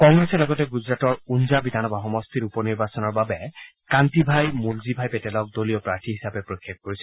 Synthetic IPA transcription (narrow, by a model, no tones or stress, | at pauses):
kɔŋɡɹɛsɛlɔɡɔtɛɡuzɹatɔɹunzabidʱanɔbaɦɔmɔstʰiɹupɔniɹbasɔnɔɹbabɛkantibʱajmulzibʱajpɛtɛlɔk̚dolijɔpɹaɹtʰiɦisapɛpɹokʰːjak̚koɹisɛ